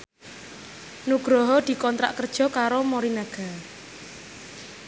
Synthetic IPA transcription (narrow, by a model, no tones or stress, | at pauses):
nuɡ̥ɾɔɦɔd̪̥i̤kɔnt̪ɾa̰ʔkərd̥ʒ̥ɔ̤kaɾomɔɾinaɡ̥a̤